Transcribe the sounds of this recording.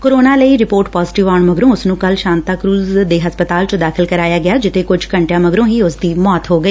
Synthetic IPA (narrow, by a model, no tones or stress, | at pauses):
koːɾoːnaːləiːɾɪpoːɾʈpɔːzʈɪʋaːɳməɡɾõːʊsnũːkəlʃaːnt̪aːkɾuːzd̪eːɦəspət̪aːlt͡ʃod̪aːkʰɪlkəɾaːjaːɡɪaːd͡ʒɪt̪ʰeːkʊd͡ʒkəɳʈjãːməɡɾõːɦiːʊsd̪iːmɔːt̪ɦoːɡəiː